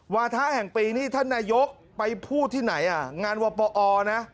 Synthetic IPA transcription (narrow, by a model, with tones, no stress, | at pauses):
waː˧t̪ʰaː˦˥hɛ˨˩ŋpiː˧niː˦˥˩t̪ʰa˥˩nːaː˧jo˦˥k̚ | pa˧jpʰuː˥˩t̪ʰiː˥˩na˩˦jʔa˨˩ŋaː˧nwɔː˧pɔː˧ʔɔː˧na˦˥